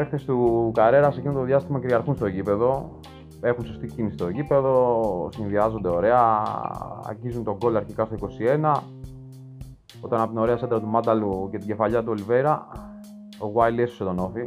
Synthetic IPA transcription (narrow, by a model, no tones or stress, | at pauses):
exθest̪ukɐɾe̞ɾɐsecint̪ðʝɐst̪imɐkɾiɐɾxunst̪o̞ʝipe̞ðo̞ | e̞xunso̞st̪icinisist̪o̞cipe̞ðo̞sinðiɐzo̞nd̪eo̞ɾe̞ɐ | ɐ̰ɾçizunt̪o̞ɡo̞loɐɾçikɐst̪o̞iko̞sie̞nɐ | o̞t̪ɐnɐpot̪ino̞ɾe̞ɐsend̪ɾɐt̪umɐd̪ɐluce̞t̪iɲɟe̞fɐʎɐt̪̬uolive̞ɾɐ | oɣwajleso̥set̪o̞no̞fi